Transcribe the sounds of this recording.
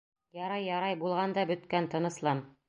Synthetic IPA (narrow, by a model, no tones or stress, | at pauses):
jɑɾɑjːɑɾɑjbulˠʁɑnd̪ɑbɵ̆t̪kænt̪ŏnɤ̆slˠɑn